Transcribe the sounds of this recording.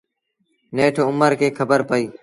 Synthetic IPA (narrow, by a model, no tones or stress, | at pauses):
neːʈʰʊməɾkeːkʰəbəɾpəiː